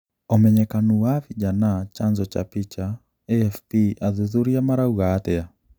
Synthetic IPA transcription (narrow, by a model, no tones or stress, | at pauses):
ɔmɛɲɛkanuwavid͡ʒanat͡ʃanzɔt͡ʃa̰pit͡ʃa | eɛfpiaðuðuɾiamaɾauɣaːt̪ɛa